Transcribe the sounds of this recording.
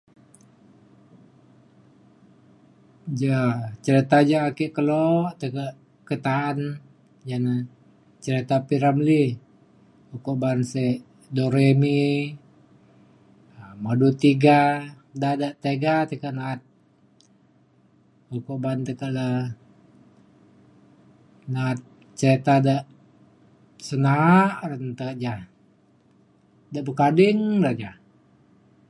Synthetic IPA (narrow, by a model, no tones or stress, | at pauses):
d͡ʒat͡ʃəɾit̪ad͡ʒaakiʔkəloʔt̪əkaʔ | kət̪aan | d͡ʒana | t͡ʃəɾit̪apiɾamli | ukoʔbanseʔ | doɾemi | madut̪iɡa | dadaʔt̪eɡat̪ekaʔnaːt̪̚ | ukoʔbant̪əkaʔlə | naːt̪̚ | t͡ʃet̪adaʔ | sənaʔrənt̪əkaʔd͡ʒa | daʔbəkadɪŋdaʔd͡ʒa